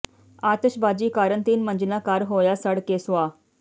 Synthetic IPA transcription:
aːt̪əʃbaːd͡ʒiːkaːɾənt̪iːnmə̃nd͡ʒɪnakaːɾɦoːjasəɽkesʋaː

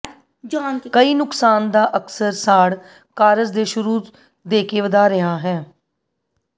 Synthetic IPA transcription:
kəiːnʊksaːnd̪aːʔəksəɾsaːɽ | kaːɾəzd̪eːʃʊɾuː | d̪eːkeːʋəd̪aːɾəɦaːɦɛː

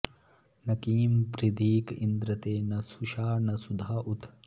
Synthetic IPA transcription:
nɐkiːmpɾid̪iːkḭnd̪ɾɐt̪eːnɐsuʃaːnɐsud̪ʱaːʔut̪

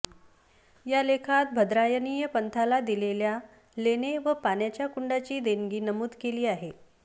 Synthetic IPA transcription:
jalekʰat̪̚bʱəd̪ɾajənijəpənt̪ʰalad̪ilelja | leneʋəpanjat͡ɕjakuɳɖat͡ɕiːd̪eŋɡiːnəmuːd̪keliːaɦe

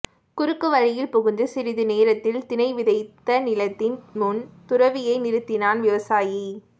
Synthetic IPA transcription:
kʊɾɯkːɯʋɐɻɪjɪlpɔɣɯnd̪ɯsɪɾɪðɯneːɾɐt̪ːɪlt̪ɪnɐɪʋɪðɐɪt̪ːɐnɪlɐt̪ːɪnmʊnt̪ʊɾɐʋɪjɐɪnɪɾɯt̪ːɪnaːnʋɪʋɐsaːji

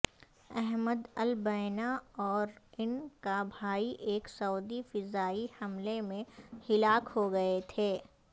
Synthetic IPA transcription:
ɛɦməd̪ɐlbɐɪnaɔːɾɪnkabʱaːiʔeːksɐuːd̪ifɪzaːihɐmlemẽhɪlaːkhoɡɐet̪ʰeː

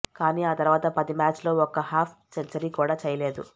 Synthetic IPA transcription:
kaːniːaːt̪ɐɾʋaːt̪ɐpɐd̪imaːt͡ʃlo̞ːɔkɐhaːpʰt͡ʃɐɲt͡ʃɐɾiːkuːɽaːt͡ʃɛjɐle̞ːd̪ṵ

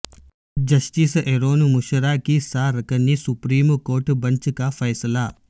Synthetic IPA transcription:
d͡ʒɐʃʈiːseɾoːnmuʃəɾakisaːɾɐkənːisupɾiːmkoːɾʈbɐnt͡ʃkafɐjsəlaː

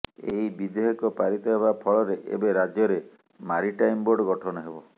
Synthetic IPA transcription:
ḛɦibid̪eɦɔkɔpaɾit̪ɔɦeβapʰɔlɔɾeʔḛbeɾad͡ʒjɔɾe | maɾiʈajmboɾɖɔɡɔʈʰɔnɔɦebɔ

